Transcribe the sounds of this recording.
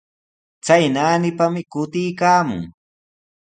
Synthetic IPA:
t͡sajnaːnɪpamɪkʊt̪ɪjkaːmʊ̰ŋ

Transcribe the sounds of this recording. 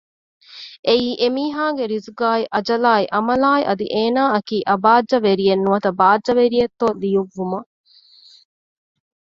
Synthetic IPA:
ʔeiːʔemiːɦaːɡeɾizuɡaːiʔɐd͡ʒɐlaːiʔɐmɐlaːiʔɐd̪ḭʔeːnaːɐkiːʔɐbaːdd͡ʒːɐʋeɾijenːuʋɐt̪ɐbaːdd͡ʒɐʋeɾijet̪ːoːlijuʋːumɐ

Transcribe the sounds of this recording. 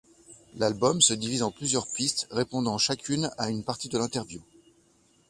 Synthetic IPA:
lalbɔmsəd̪ivizɑ̃plyzjœʁpist̪ʁepɔ̃d̪ɑ̃ʃakʲʰynaynpaʁt̪id̪əlɛ̃t̪ɛʁvju

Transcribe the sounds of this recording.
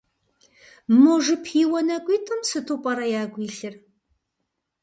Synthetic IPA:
moʒɨpʰiːwɐnɐkʷʼiːtʰʼɨmsɨtʰupʼɐɾɐjaːɡʷiːɬɨr

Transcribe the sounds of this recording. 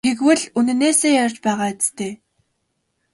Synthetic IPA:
ɡeɣwɘ̆ɮunɘ̆neːseːjar̥ʲt͡ɕpæːʁaːet͡st̪ʰeː

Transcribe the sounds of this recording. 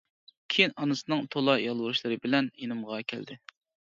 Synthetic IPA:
kʲʰijnɑnɨsɨnɨŋt̪ʰolˠɑjɑlˠwuɾuʃlˠɨɾɨbɪlɛnjenɨmʁɑkʲʰɛ̰ld̪ɪ

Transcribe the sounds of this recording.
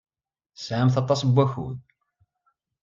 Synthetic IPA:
sʕəmθɑt̪ˤːɑsˤbʷːæçṵd̪

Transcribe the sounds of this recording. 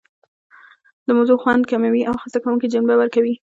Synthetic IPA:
d̪əmazoxwand̪kamawiʔawxəsakawuŋkid͡ʒanbawəɾkawi

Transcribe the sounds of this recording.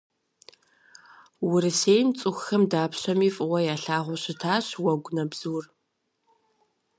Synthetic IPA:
wʊɾɨseːjmt͡sʼʊxxɐmdaːpɕɐmiːfʼɨwʷɐjaːɬaːʁʷɔɕɪtʰaːɕwɐɡʷnɐbz̥uːr

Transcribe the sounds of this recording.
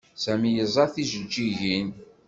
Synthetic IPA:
sæmijəzˤɑθiʒəd͡ʒːiʝin

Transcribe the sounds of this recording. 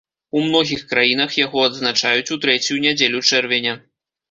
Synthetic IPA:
umnɔɣʲixkɾajin̪ɐxjaɣɔɐd̪znat͡ʂajut͡sʲut̪ɾɛt͡sʲjunʲad͡zʲelʲut͡ʂɛrvʲɛnʲɛ

